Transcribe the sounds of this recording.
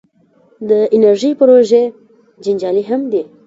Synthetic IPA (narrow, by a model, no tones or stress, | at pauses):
d̪əɪnaɾʒipəɾoʒe | d͡ʒɪnd͡ʒɑliɦamd̪i